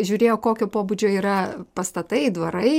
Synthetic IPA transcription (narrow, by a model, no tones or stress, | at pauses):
ʒʲuːɾʲeːjoːkoːkʲoːpoːbud͡ʒʲoːiːɾɐpɐst̪ɐt̪ɐɪd̪ʋɐɾɐɪ